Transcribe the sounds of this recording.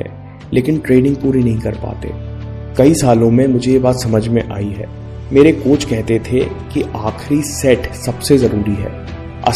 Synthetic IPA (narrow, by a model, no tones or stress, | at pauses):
ɛ̰ː | lʔeːkɪnʈɾeːɖɪ̃ŋɡ̚puːɾinɐɦĩkɐɾpa̰ːt̪ḛːkɐisaːlõmẽmʊd͡ʒʱejebaːt̪sɐməd͡ʒʱmẽʔaːiɦɛ̰ː | meːɾekoːt͡ʃkɛɦt̪et̪ʰekiʔaːxʰɾisɛːʈsɐbsezɐɾuːɾiɦɛ̰ː | ɐ̰